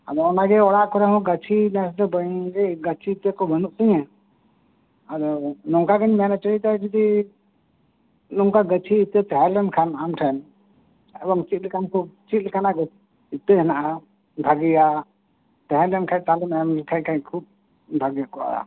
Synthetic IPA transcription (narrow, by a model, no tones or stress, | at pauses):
ad̪ɔɔnaɡɛɔɽaʔkɔɾɛɦɔ̃ɡat͡ʃʰinasd̪ɛbəjɡɛɡət͡ʃʰiːt̪ekɔbənuʔsəɲɛ̃ | aɾɔlɔŋkaɡəɲmɛnat͡ʃəɾit̪ɛd͡ʒid̪i | lɔŋkaɡət͡ʃʰiːt̪et̪ɛɦɛɾlɛnkʰanamʈʰɛn | ɛd̪ɔŋt͡ʃit̪̚ˀlɛkankɔt͡ʃit̪̚lɛkanaɡ | it̪eɦɛnaʔa | bʱaɡija | t̪ɛɦɛɾlɛnkʰajt̪alɔnɛmkʰaɲkʰaɲkʰub̚ | bʱaɡijakɔʔa̰a̰